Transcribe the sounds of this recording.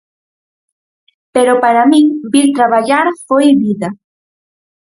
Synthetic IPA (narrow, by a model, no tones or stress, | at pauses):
peɾopaɾamĩŋbiɾt̪ɾaβaʎaɾfojβiða